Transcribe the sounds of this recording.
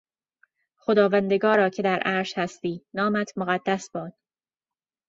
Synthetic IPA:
xod̪ɒːvænd̪eɡɒːɾɒːcʰe̞d̪æɾʔæːɾʃhæst̪iːnɒːmæt̪ʰmoɣæd̪ːæsbɒːd̪̥̚

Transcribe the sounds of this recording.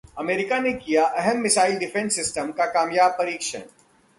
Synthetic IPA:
ɐmeːɾɪkanekijaʔɛɦɛmːɪsaːɪlɖɪfʰẽnsːɪsʈəmkakaːmjaːb̚pɐɾiːkʃə̰n

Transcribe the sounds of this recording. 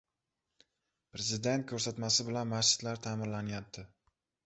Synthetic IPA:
pɾe̞zɪd̪e̞nt̪̚kʲʰɵɾsat̪masɪbɪlanmast͡ʃɪ̥t̪laɾt̪ʰaːmɪɾlanɪjap̚t̪ʰɪ

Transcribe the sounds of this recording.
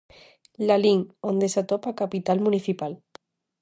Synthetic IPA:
laliŋond̪esat̪opakapit̪almuniθipal

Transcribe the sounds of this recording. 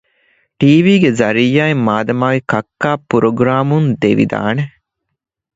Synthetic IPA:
ʈiːʋiːɡezɐɾijaːemːaːd̪ɐmaːɡekɐkːaːpuɾoɡɾaːmund̪eʋḭd̪a̰ːne

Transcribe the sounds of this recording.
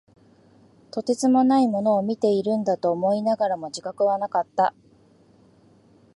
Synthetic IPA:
t̪o̞t̪e̞t͡sɨmo̞naimo̞no̞ːmʲit̪e̞iɾɯ̟̃nd̪at̪o̞ːmo̞inaɡaɾamo̞d͡ʑikakɯ̟βanakat̪ːa

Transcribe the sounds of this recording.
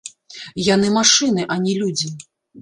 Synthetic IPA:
janɨmaʂɨnɨʔɐnʲɛlʲud͡zʲi

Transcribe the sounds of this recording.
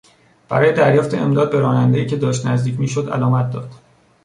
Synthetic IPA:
b̥æ̰ɾɒːje̞d̪æɾjɒːft̪eʔemd̪ɒːd̪̚be̞ɾɒːnænd̪eiːcʰe̞d̪ɒːʃt̪næzd̪iːcʰmiːʃod̪æ̰lɒːmæt̪̚d̪ɒ̰ːd̪̥

